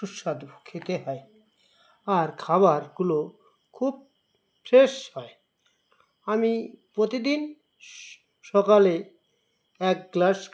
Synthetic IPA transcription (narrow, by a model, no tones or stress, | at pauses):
ʃuʃːad̪kʰet̪eɦɔe | aɾkʰaβaɾɡulo | kʰub̚ | ʃeʃhɔe | amipɾot̪id̪in | ʃɔkale | ɛk̚ɡlaʃ